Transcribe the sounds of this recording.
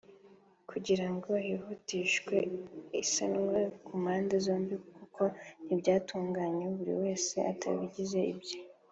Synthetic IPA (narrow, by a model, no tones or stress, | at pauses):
kʰuɟiɾaŋɡo̞hihutiːʃkwe̞isanŋwekʰumaːndezo̞ːmbikukʰo̞n̥ibɟaːtuːŋɡaːɲeβuɾḭwe̞ːse̞ʔa̰tʰa̰βiɟize̞ḭbɟe